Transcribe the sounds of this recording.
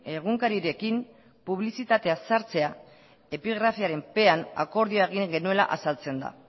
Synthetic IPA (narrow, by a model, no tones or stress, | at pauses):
e̞ɣ̞uŋkaɾiɾe̞kim | puβlisit̪at̪e̞asaɾt͡se̞a | e̞piɣ̞ɾafiaɾe̞mpe̞ana̰ko̞ɾðioaeɣ̞iŋɡe̞nue̞la̰ʔasalt͡se̞nd̪a̰